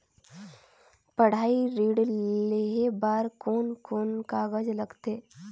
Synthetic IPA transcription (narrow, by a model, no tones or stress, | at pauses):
pəɽ̤aːiɾiːɽleɦebaːɾkoːnkoːnkaɡəd͡ʒləɡt̪eː